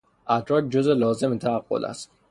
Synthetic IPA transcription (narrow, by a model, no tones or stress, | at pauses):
ʔæt̪ʰɾɒːt̪̚d͡ʒozelɒːze̞met̪ʰææɡːo̞̰læ̰st̪